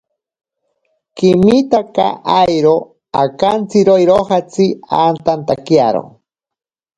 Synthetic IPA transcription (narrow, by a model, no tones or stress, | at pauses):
kimit̪aka̰ʔajɾo | akant͡siɾojɾoxat͡siant̪ant̪akjaɾo̰